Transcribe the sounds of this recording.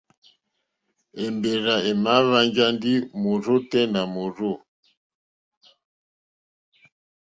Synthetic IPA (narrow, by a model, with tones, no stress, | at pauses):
ɛ˨mbe˨ɾa˨e˨ma˨˦βa˦ɲd͡ʒa˦ndi˦mo˨ɾo˦tɛ˦na˨mo˨ɾo˦˨